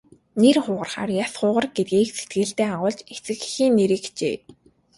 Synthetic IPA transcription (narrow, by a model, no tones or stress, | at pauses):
nerχʊːʁə̆rχa̰ːrjasχʊːʁə̆rɡet̪̚ɡiːkse̥t̪̚ɡɘ̆ɮt̪eːaʁʊːɮt͡ɕet͡sɘ̆xxiːnːeɾĭːkt͡ɕḛː